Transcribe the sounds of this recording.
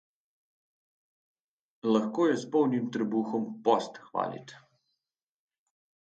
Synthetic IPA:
lɐxkoːjɛspɔwnimt̪ɾɛbuːxɔmpɔst̪xʋa̰ːlḭt̪

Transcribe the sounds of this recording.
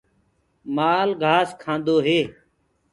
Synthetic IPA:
maːlɡʱaːskʰãːnd̪oːɦeː

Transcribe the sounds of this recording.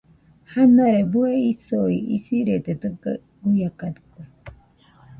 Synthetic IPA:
hanoaɾebueisoiisiɾet̪et̪ɨka̰ | ujakad̪ɨ̥ko

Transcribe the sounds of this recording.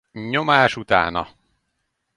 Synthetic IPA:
ɲomaːʃut̪a̰ːnɒ̰

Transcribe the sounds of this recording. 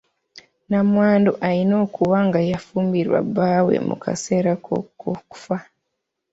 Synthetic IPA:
namwaːndoʔaɾino̞ːkuβaŋɡajafuːmbiɾwa̰bːaːwe̞̰mṵkʰa̰se̞ɾako̰koku̥fa

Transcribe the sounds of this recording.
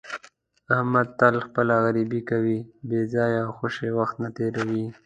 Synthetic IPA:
ahmad̪̚t̪alxpəlaɣaɾibikawibezɑjawxoʃewaxt̪nat̪eɾawi

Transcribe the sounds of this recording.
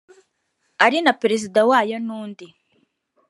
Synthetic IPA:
aɾinapeɾezidawaːjonuːndi

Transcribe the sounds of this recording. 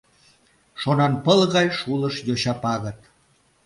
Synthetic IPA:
ʃonɑnpəlɣɑjʃuləʃjoɕɑpɑɣət̪̚

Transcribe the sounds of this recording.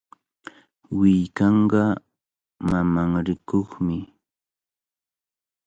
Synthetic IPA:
wɪjkɑɴɢɑ | mamaŋɾɪkoχmɪ

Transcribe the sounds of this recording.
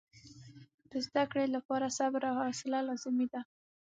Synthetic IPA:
d̪̥əzd̪akɽelapɑɾasabɾaɑsɪlalɑzɪmid̪a

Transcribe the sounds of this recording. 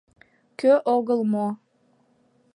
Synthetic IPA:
køʔoɣəlˠmo

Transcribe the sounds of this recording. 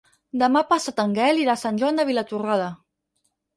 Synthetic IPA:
d̪əmapasat̪əŋɡɛliðasanʲʒwand̪əβilat̪uraðə

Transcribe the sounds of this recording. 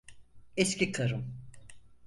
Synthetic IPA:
ɛscʲʰikʰaɾɯm

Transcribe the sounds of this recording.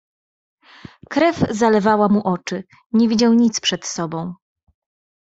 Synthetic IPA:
kɾɛvzalɛvawamuʔɔt͡ʂɘ | ɲɛvʲid͡ʑawɲit̪spʂɛt̪sɔbɔ̃w̃

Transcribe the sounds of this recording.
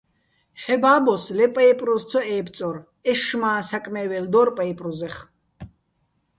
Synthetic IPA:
χɛbaːbɔslɛpʼajpʼɾɔst͡s̪ʰɔɛːp̪t͡s̪ʼɔr | ɛʃmaːsakʼmɛːvɛld̪ɔrpʼajpʼruzɛχ

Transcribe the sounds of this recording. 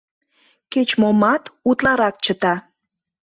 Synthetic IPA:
ket͡ɕmomɑt̪ut̪lɑɾɑk̚t͡ɕət̪ɑ

